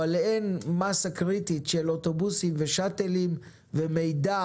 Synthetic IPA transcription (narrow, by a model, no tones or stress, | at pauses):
aleenmasakʁititʃelot̪o̞busimveʃat̪elim | veme̞jda